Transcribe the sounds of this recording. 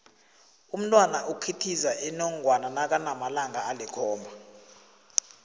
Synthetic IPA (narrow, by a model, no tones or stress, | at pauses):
um̩tʼwanaʔukʰitʰizaʔɛnɔŋwananak̬ʼanamalaŋɡʱaːlɛkʰɔːmbʱa